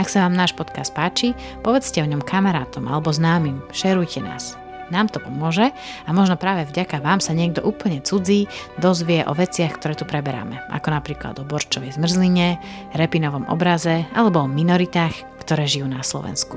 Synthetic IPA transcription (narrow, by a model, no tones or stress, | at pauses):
aksaʋaːmnaːʃpɔt̪kast̪̚paːt͡ʃi | pɔʋɛt͡scɛɔɲɔmkʰamaɾaːt̪ɔmʔa̰lɛbɔznaːmimʃɛɾujcʰɛna̰ːs | naːmt̪ɔpɔmʊɔʒɛ | amɔʒnɔpɾaːʋɛvɟakaʋaːmsaɲɪɛɡ̚d̪ɔʔuːpl̩ɲɛt͡sud͡ziːd̪ɔzʋɪɛʔɔ̰ʋɛt͡sɪaxkt̪ɔɾɛːt̪upɾɛbɛɾa̰mɛʔa̰kɔnapɾiːkla̰d̪ɔbɔɾt͡ʃɔʋɛjzmr̩zliɲɛ | ɾɛpinɔʋɔmʔɔ̰bɾazɛa̰lɛbɔɔminɔɾit̪aːx | kt̪ɔɾɛːʒijuːnaslɔ̰ʋɛ̰nsku